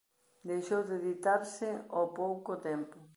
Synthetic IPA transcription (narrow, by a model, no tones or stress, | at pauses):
d̪ejʃowðeðit̪aɾsɪopowkot̪ɛmpʊ